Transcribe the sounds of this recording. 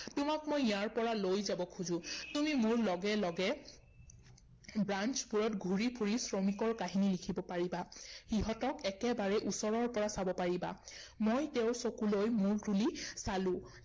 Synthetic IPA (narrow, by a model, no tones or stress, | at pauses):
tʊmakmojjaɹpɔɹalojzabɔkʰuzʊ̃tumimuɹlɔɡɛlɔɡɛ | bɹant͡ʃpuɹɔtɡʱuɹipʰuɹisɹomikɔɹkaɦinilikʰibɔpaɹibaxiɦɔtɔkɛkɛbaɹɛʔusɔɹɔɹpɔɹasabɔpaɹiba̰mojteʊsokulojmuɹdulisalʊ̃